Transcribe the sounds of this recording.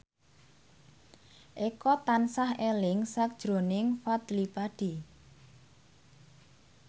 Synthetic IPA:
ʔekɔt̪ansahelɪŋsak̚d̥ʒ̥ɾo̤nɪŋfad̪̥lipaɖ̥i̤

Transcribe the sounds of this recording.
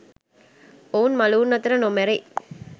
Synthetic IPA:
oːnmɐluːnːɐt̪ːɪɾɐnomɛɾɐɪ

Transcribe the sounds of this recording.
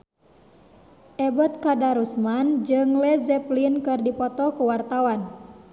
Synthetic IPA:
ʔɛbɔt̪̚kadaɾusmand͡ʒɨŋlɛzɛplinkɨrdipɔt̪ɔkuwart̪awan

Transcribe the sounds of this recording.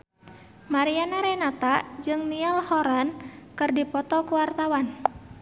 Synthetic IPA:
maɾianaɾɛnat̪ad͡ʒɨŋnialhɔɾankɨrdipɔt̪ɔkuwart̪awan

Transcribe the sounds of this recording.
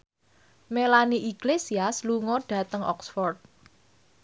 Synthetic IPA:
melaniʔiɡ̥lesiasluŋɔɖ̥ä̤t̪əŋʔɔ̰ksfɔrt̪̚

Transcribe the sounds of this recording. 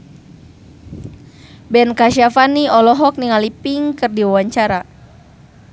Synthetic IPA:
bɛnkaʃiafaniɔlɔɦɔk̚niŋalipiŋkɨrdiwawaɲt͡ʃaɾa

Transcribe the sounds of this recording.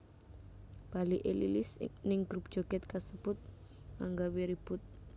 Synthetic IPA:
b̥aliʔelilɪsnɪŋɡ̥ɾup̚d̥ʒ̥oɡɛt̪̚kasəb̥ʊt̪̚ | kaŋɡawiɾib̥ʊt̪̚

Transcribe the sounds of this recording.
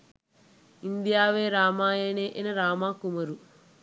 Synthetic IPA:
ind̪ijaːʋeːɾaːmaːjeːneːʔenɐɾaːmaːkumɐɾu

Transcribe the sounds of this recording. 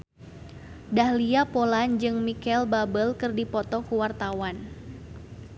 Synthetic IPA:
dahliapoland͡ʒɨŋmikɛlbabəlkɨrdipɔt̪ɔkuwart̪awan

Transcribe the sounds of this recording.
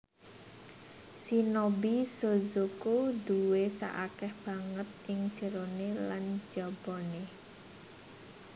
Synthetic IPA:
sinobisozokoduwesa̰ʔakɛhb̥aŋət̪̚ɪŋ̥d͡ʒ̥ə̤ɾoneland͡ʒɔb̥ɔne

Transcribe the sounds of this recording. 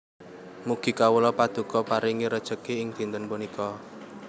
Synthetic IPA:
muɡ̥i̤kawəlɔpad̪̥ṳkɔpaɾiŋiɾəd̥ʒ̥əkeɪŋd̪̥i̤nt̪ənpunikɔ

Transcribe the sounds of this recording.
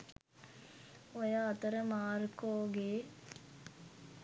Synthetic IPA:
ojaːt̪əɾəmaːɾkoːɡe

